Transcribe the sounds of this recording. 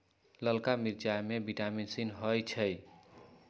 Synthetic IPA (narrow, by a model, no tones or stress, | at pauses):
ləlkamiɾd͡ʒajmebiʈaminsinɦəjt͡ʃʰəj